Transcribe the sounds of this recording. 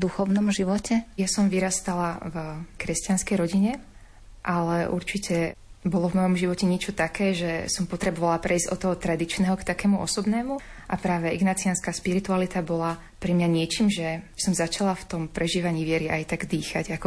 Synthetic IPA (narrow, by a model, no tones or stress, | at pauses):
d̪uxɔʋnɔmʒiʋɔcɛjasɔmʋiɾast̪alavkɾɛscɪanskɛjɾɔɟiɲɛ | ʔalɛʔṵɾt͡ʃicɛbɔlɔvmɔjɔmʒiʋɔcɛɲɪɛt͡ʃɔt̪akɛːʒɛsɔmpɔt̪ɾɛbɔʋalapɾʔɛizɟɔt̪ɔɦɔt̪ɾad̪it͡ʃnɛːɦɔkt̪akɛːmuʔɔ̰sɔbnɛːmuʔapɾaːʋɛʔiɡnat͡sianskaːspiɾit̪ualit̪abɔla | pɾɛmɲaɲɪɛt͡ʃiːmʒɛsɔmzat͡ʃalaft̪ɔmpɾɛʒiːʋaɲiːʋɪɛɾiʔajt̪aɡd̪iːxaɟakɔ